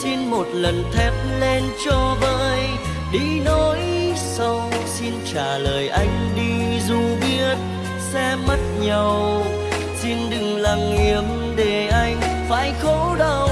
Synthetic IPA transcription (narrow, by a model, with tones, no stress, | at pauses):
si˧nmo˨˩t̚lə˨˩nt̪ʰɛ˦˥p̚le˧nt͡ɕɔ˧ɓəː˧˨j | ɗi˧nɔ˨˦jsə˧wsi˧nt͡ɕaː˧˩ləː˨˩jʔa˧jŋ̟ɗi˧zu˧˩ɓi˧˥ət̚ | sɛ˧mə˦˥t̚ɲə˨˩w | si˧nɗɨ˨˩ŋlaː˨˩ŋːi˨əm | ɗe˧˩ʔa˧jŋ̟fa̰ː˧˥˦jxo˧˥ɗə˧w